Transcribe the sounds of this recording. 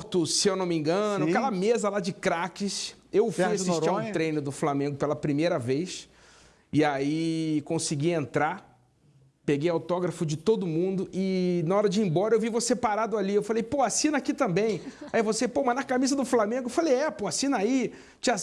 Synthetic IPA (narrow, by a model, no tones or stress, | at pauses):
t̪ʊsewnomĩɡɐ̃nʊkɛlɐmezɐlad͡ʒɪkɾakɪsewfujasiʃt͡ʃɾiɾ̃t̪ɾejnʊd̪ʊflamẽŋɡʊpelɐpɾimejɾɐvejs | ɪaikõsiɡiẽnt̪ɾa | peɡejawt̪ɔɡɾɐfʊd͡ʒɪt̪od̪ʊmũnd̪ʊʔɪnaɔɾɐd͡ʒɪĩbɔɾɐewvivosepaɾad̪ʊaliewfalejpoasĩnakit̪ɐ̃mbẽj̃aivosepomɐ̃nakamizɐd̪ʊflamẽŋɡʊefalejɛpoasĩnai | t͡ʃia